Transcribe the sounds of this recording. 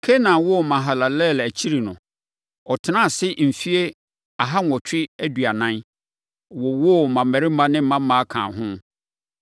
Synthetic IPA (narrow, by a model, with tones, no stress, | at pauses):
kʰe˦nã˨wɔ˦˨mã˨ɦa˨la˨lɛ˦˨læ˨t͡ɕʰi˦ɾi˨nʊ̃˨ | ɔ˨tʰɪ˨nã˦˨sɪ˦m̩˨fi˦e˦ | a˨ɦa˦ŋ˨ɔ˨t͡ɕᶣɪ˦æ˦dɥa˨nã˦n | wɔ˨wɔ˦mã˨m˨mɛ˨ɾɪ˦mã˦nɪ̃˦m̩˦ã˦m˦mãː˨˦a˦kʰã̰ː˨ɦʊ̃˦